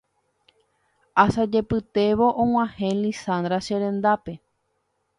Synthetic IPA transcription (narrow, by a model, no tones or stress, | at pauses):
asad͡ʒe̞pɨt̪e̞ʋo̞ʔõw̃ãhẽlisãnd̪ɾaʃeɾẽ̞nd̪ape̞